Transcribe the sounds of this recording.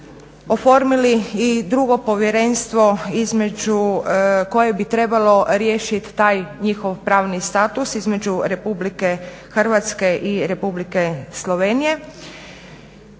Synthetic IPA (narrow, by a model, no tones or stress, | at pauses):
ofo̞ɾmiliid̪ɾuɡo̞po̞ʋjeɾe̞nst̪ʋo̞izme̞d͡ʒuko̞jebit̪ɾe̞balo̞ɾjeːʃit̪ːaːjɲixoʋpɾaːʋnist̪aːt̪usizme̞d͡ʒuɾe̞publike̞ | xər̩ʋat̪ske̞ʔiɾe̞publike̞slˠoʋeːnije̞